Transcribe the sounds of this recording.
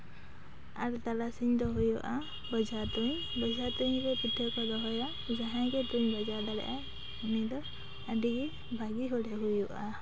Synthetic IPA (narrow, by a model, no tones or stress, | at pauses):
aɾt̪alasiɲd̪ɔɦujɔʔa | bɔd͡ʒat̪uɲ | bɔd͡ʒʱat̪uɲɾɛpit̪ʰːɔkɔd̪ɔɦɔjɔ | d͡ʒaɦãɡɛtuɲbad͡ʒaɾd̪alɛ̰ʔa | unid̪ɔ | adiɡi | bʱaɡiɦɔlɛɦujɔʔa